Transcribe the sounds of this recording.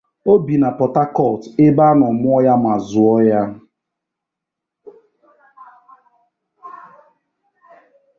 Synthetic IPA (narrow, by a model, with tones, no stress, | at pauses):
o˦bi˨na˨pɔ˨ta˦kɔ˦˨ltɪ˦ba˦nɔ˨mʊ˦ɔ˦ja˦m˨a˨zʊ˨ɔ˦ja˦